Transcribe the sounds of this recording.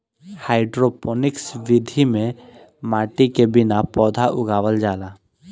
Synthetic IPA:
haːɪɖɾoːpoːnɪksʋɪd̪ʱimẽ | maːʈikebɪnapɔːd̪ʱaʔʊɡaːʋəld͡ʒaːlaː

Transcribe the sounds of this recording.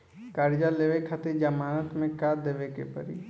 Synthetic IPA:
kaːɾd͡ʒaleːʋekʰat̪id͡ʒamaːnət̪mẽkaːd̪eːʋekḛpə̰ɾḭ

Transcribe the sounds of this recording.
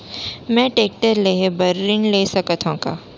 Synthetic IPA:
mɛ̃ːʈeːk̚ʈəɾleːɦebɐɾːɪnleːsɐkət̪ʰõːka̰ː

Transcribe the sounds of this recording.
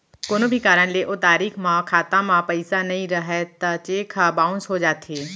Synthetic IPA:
koːnobʱikaːɾəɽ̃leʔot̪aːɾiːxmãkʰaːt̪ãmãpɐɪsanɐĩɾɐɦet̪ɐt͡ɕeːkʰabaːʊ̃nsɦod͡ʑaːt̪ʰeː

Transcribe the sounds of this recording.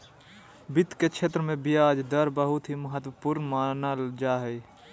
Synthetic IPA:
bɪt̪ket͡ʃʰeːt̪ɾəmẽbijaːd͡ʒd̪əɾbəɦʊt̪ɦiməɦət̪wəpuɾnmaːnəld͡ʒaːɦɛi

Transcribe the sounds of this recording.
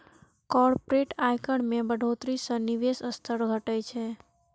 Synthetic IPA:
kɔɾpɾeʈajkəɽmẽbəɖʱot̪ɾisə̃niʋesəst̪ʰəɾɡʱəʈəjt͡ʃʰe

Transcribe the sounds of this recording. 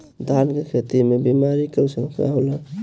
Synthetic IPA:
d̪ʱankekʰet̪imebimaɾikesəmka̰ɦolə

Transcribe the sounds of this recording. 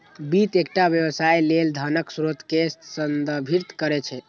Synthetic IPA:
bit̪ek̚ʈabjəbsajleld̪ʱənəksɾot̪kesənd̪əbʱiɾt̪kəɾɛt͡ʃʰɛ

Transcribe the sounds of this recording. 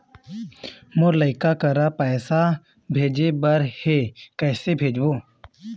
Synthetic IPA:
moɾləɪkakəɾapɛːsa | bʱeːd͡ʒebəɾhekɛːsebʱeːd͡ʒboː

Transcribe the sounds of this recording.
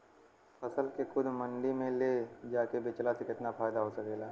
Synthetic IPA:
fʰɐsəlkexʊd̪ʱmɐ̃ɳɖimẽled͡ʒaːkebɪt͡ʃlasekɪt̪nafʰaːjd̪aɦosɐkeːlaː

